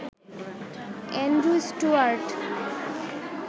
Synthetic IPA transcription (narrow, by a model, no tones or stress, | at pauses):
ɛ̃nɖɾusʈuaɾʈ